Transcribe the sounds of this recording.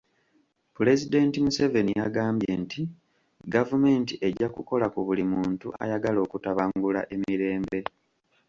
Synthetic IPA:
pule̞zide̞ːntimuseve̞nijaɡaːmbje̞nti | ɡavume̞ːntiʔe̞ɟːakuko̞lakuβulimuːntuʔa̰jaɡalo̞ːkutaβaŋɡula̰ʔe̞miɾe̞ːmbe̞

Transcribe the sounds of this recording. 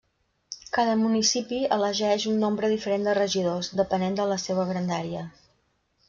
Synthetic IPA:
kaðəmunisipiələʒɛʃunːombɾəðifəɾend̪ərəʒiðozd̪əpənend̪ələseβ̞əɣɾənd̪aɾiə

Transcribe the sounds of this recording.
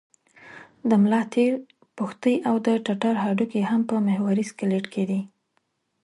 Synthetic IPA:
d̪əmlɑt̪eɾ | puxt̪əjʔawd̪əʈaʈaɾɦɑɖukehampəmehwaɾiskɪleʈked̪i

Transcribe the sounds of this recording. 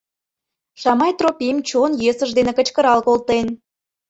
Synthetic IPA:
ʃɑmɑjt̪ropʲimt͡ɕonjesəʒd̪enekə̆t͡ɕkə̆ɾɑlkolt̪en

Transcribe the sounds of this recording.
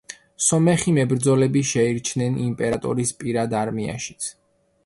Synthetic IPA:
sɔmɛχimɛbɾd̪zɔlɛbiʃɛiɾt͡ʃʰnɛnimpʼɛɾat̪ʼɔ̰ɾispʼiɾad̪aɾmia̰ʃi̥t̪sʰ

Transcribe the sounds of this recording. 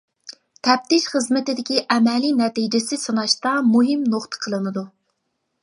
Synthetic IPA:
t̪ʰɛp̚t̪ɪʃχəzmɪt̪ɪd̪ɪkʲiʔɛmɛlinɛt̪id͡ʒɪsɪsɨnɑʃt̪ɑmuɦɪmnoχt̪ʰə̥qʰəlˠɨnɨd̪u

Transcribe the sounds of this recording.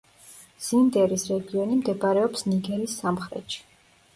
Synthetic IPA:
z̥ind̪ɛɾisɾɛɡiɔnimd̪ɛbaɾɛɔpsniɡɛɾisːamχɾɛ̰t̪ʃi̥

